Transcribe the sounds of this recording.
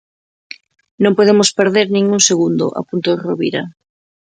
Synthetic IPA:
nõmpoð̞emospeɾðeɾnĩŋuŋseɣund̪ʊ̰ʔa̰punt̪oðeroβiɾa

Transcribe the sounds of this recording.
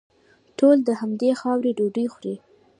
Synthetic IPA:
ʈold̪əhamd̪exɑwɾeɖoɖəjxwɾi

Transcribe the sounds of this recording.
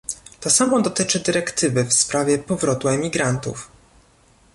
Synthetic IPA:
t̪ɔsamɔd̪ɔt̪ɘt͡ʂɘd̪ɘɾɛkt̪ɘvɘfspɾavʲjɛpɔvɾɔt̪uɛmʲiɡɾant̪ṵf

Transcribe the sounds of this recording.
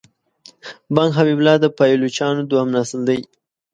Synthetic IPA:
baŋɡɦabiblɑd̪əpajlut͡ʃɑnod̪wamnasəld̪əj

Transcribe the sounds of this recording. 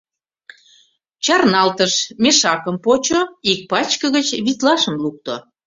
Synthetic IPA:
t͡ɕɑrnɑlt̪əʃmʲeʃɑkəmpot͡ɕoik̚pɑt͡ɕkəɣət͡ɕβit̪lɑʃəmluk̚t̪o̰

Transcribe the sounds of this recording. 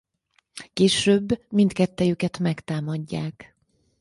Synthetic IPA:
keːʃøːbːmint̪kɛt̪ːɛjøkɛt̪mɛkt̪aːmɒɟːaːk

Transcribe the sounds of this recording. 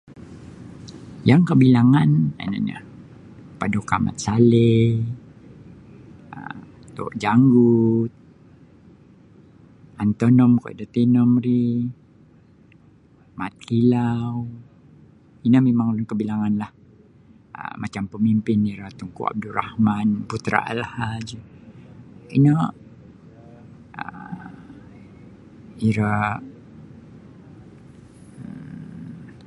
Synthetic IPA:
jaŋkəbilaŋana̰na̰ɲa̰ | padokama̰t̪̚sale | ə | t̪o̰ʔd͡ʒaŋɡut̪̚ | ant̪onɔmko̰ʔdat̪inɔmri | mat̪̚kilaw | inəmemaŋlʊnkəbilaŋanlah | ə̰mat͡ʃampəmimpɪniɾat̪uŋkṵa̰b̚dura̰hmanbut̪ɾa̰ʔa̰lhad͡ʒ | inə | ə | iɾa

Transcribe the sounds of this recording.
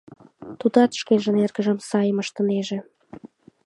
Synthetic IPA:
t̪ud̪ɑt̪ʃkenʒə̆nerɡə̆ʒə̆msɑjəməʃt̪ə̆neʒĕ

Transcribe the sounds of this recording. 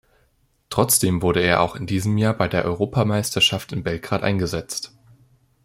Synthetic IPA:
tʁ̥ɔt͡sd̥eːmvʊɐɾəeːɐʔa̰ʊxɪndiːzəmjaːɐbaɪdeːɐʔɔʏʁ̞oːpamaɪstɐʃaftɪnbɛlɡ̥ʁaːtʔa̰ɪnɡəzɛt͡st

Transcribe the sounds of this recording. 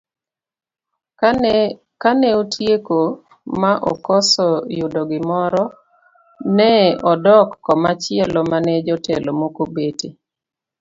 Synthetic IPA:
kanɛotʰjeko | maʔɔkɔsɔjʊdɔɡɪmɔɾɔ | nɛɔdɔkːɔmat͡ʃɪɛlɔmanɛd͡ʒɔtɛlomokobete

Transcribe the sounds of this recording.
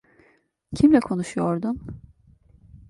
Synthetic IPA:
cʰimlʲɛkʰo̞nuʃujo̞ɾd̪um

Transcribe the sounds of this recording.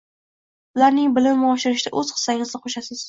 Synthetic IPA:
ʊlaɾnɪŋbɪlɪmmɪɒʃɪɾɪʃɪd̪a̰ʔɵz̥qʰɨ̥sːaɪŋɪzd̪ɪqʰoʃasɪz̥

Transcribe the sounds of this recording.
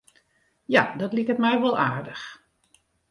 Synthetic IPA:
jadɑtlikətmɛjʋɔlˠaːɹdəx

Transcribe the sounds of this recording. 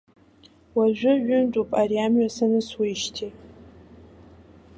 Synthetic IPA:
waʒᶣʷʊʒʷᶣʊntʼupʼaɾiamɥasanɨswiʃtʰi

